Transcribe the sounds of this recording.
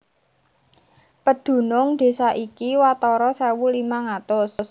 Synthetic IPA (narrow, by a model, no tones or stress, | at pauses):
pəd̪̥ṳnʊŋd̪̥e̤saʔikiwat̪ɔɾɔsɛwulimaŋat̪ʊss